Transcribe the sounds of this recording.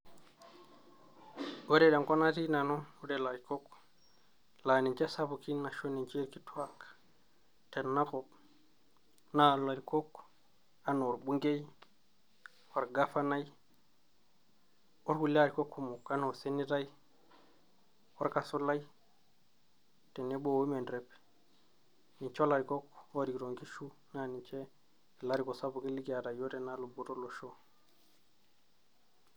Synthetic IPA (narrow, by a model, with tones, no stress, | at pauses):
we˦ɾe˦˨de˨ŋko˦na˦ti˦na˨no˦wu˦ɾe˨la˨ɾi˨ko˦k | la˨ni˨t͡ʃa˦sa˦bu˨ki˦na˨ʃo˦ni˨nt͡ʃe˦ɾki˦tu˦a˦k | te˨nna˦ko˨p | na˨la˨ɾi˨ko˦k | a˨no˨ɾɓu˦ŋɡe˦j | wa˨ɾɡa˦fa˦na˦j | wo˦ɾku˨la˦ɾi˨ko˦kːu˦mu˨ka˦no˨se˦ni˦ta˦ji | wo˦ɾka˨su˦la˦j | te˨ne˦bo˦˨wi˦me˨ndɾe˨p | ni˨t͡ʃo˦la˨ɾi˨ko˦ko˦ɾi˨ɾo˨ŋɡi˦ʃu˦ | na˦˨ni˨t͡ʃe˦˨ | la˦ɾi˨ko˨sa˦bu˨ki˦li˦ɡa˨da˨jo˦te˨na˦lu˨bu˨to˦lo˨ʃo˦